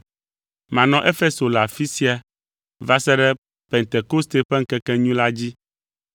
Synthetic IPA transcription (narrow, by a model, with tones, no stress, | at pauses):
mã˨nɔ̃˨˦ʔe˦fe˦so˨la˨fi˦si˦a˨ | va˦sɛ˦ɖɛ˦ | pɛ˨nt̪e˨ko˦st̪e˦ɸɛ˦ŋ̩˦kɛ˦kɛ˦ɲũ˦la˦d͡ʑi˦